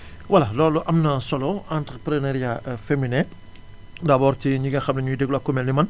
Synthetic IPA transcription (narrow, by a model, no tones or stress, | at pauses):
wɐlalɔːluʔɐmnɐsɔlɔãntɾəpɾənɛɾjafeminɛ̃ | dɐbɔːɾtiɲiɡɐxɐmnɐɲudɛɡlɔkːɔmɛlnimɐn